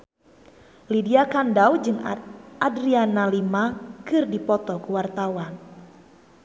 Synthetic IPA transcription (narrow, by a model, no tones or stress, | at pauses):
lidiakandawd͡ʒɨŋʔadɾianalimakɨrdipɔt̪ɔkuwart̪awan